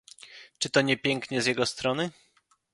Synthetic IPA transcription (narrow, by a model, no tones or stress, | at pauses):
t͡ʂɘt̪ɔɲɛpʲjɛŋkɲɛzʲjɛɡɔst̪ɾɔnɘ